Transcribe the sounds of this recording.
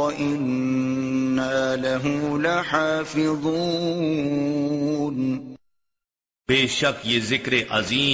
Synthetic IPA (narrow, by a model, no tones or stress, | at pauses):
ɐʔɪnː | aːlaɦʊlaħaːfɪðˤuː | n | beːʃɐkjeːzɪkɾeʔɐziː